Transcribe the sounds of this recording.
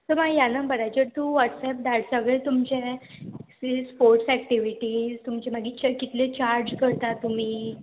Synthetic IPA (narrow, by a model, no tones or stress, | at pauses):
t̪əɾmajanəbəɾajt͡ɕəɾt̪ũːʋɔʈsɛp̚d̪aɽsəɡɭet̪umt͡ɕe | sispoɾʈsɛk̚ʈiʋiʈid͡zt̪umt͡ɕemaɡiːt͡ɕəkit̪let͡ɕaɾd͡ʑkəɾt̪at̪ːum̤iː